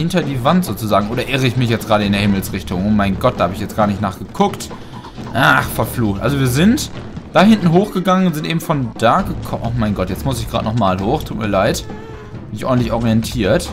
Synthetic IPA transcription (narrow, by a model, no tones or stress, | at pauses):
hɪntɐdiːvantz̥oːt͡suzaːɡŋ̩ʔoːdɐʔɪʁəɪçmɪçjɛt͡sɡ̥ʁaːɾəɪndeːɐhɪml̩sʁɪçtʊŋʔoːmaɪnɡɔt̚d̥ahaːbəɪçjɛt͡sɡ̥aːɐnɪçtnaːχɡ̥əkʰʊkt | ʔaːχfɛɐfluːxtʔa̰lzoviːɐzɪntd̥aːhɪntn̩ɦoːxɡ̥əɡaŋənʊntz̥ɪntʔeːbm̩fɔnd̥aːɡəkʰɔmʔʊxmaɪnɡɔtjɛt͡smʊsɪçɡ̥ʁa̰ːtnɔχmaːlɦoːxtʰuːtmiːɐlaɪt | nɪçʔɔ̰dntlɪçɔʁiɛntʰiːɐt